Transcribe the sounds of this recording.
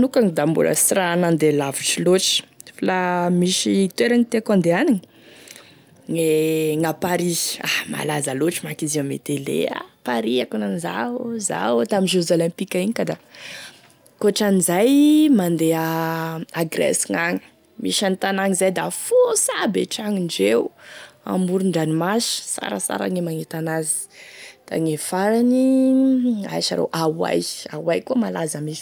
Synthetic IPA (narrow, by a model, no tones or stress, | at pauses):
nukaŋid̪ambṵla̰sranand̪elaviʈ͡ʂiloʈ͡ʂi̥flamiʃit̪eɾaŋit̪ekand̪eaniŋə | neŋapaɾiahma̰lazaloʈ͡ʂimakizimḛt̪elḛa̰paɾiakunaniza̰za̰t̪aminʒeuzolɛ̃mpikaiɲikad̪a | koʈ͡ʂanizajmand̪ea | aɡrɛ̰siŋaŋi̥ | miʃanit̪anaŋizajd̪afosabeʈ͡ʂaŋiɳɖ͡ʐeua̰muɾuɳɖ͡ʐanimasə̥sa̰ɾə̰sa̰ɾa̰ŋemaŋet̪anazi̥ | d̪̥a̰ŋefaɾani | a̰jʃa̰ɾḛwʔawa̰jawajkumalazəmis